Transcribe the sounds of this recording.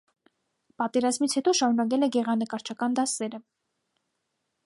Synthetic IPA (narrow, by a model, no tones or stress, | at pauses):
pɑt̪ɛɾɑzmit͡sʰhɛt̪ɔʃɑɾunɑk̬ɛlɛɡɛʁɑnəkɑɾt͡ʃʰɑkɑnd̪ɑsɛɾə